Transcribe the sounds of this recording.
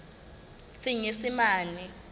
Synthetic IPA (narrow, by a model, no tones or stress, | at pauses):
siŋesimaːnɛ